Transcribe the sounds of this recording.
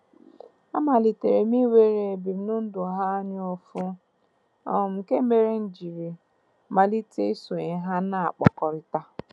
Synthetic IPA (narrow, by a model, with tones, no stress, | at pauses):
a˦ma˨li˨te˨ɾe˨mi˦we˦ɾe˨e˨bi˨˦nʊ˦n̩˦dʊ˨a˨ɦa˦ɲɪ˦o˦fʊ˦ | ɔ˨m̩˨ke˦me˨ɾe˦n̩˦d͡ʒi˨ɾi˨ | ma˨li˦te˦so˨e˨ɦa˦na˨a̰˨k͡pɔ̰˨kɔ˨ɾɪ˦ta˦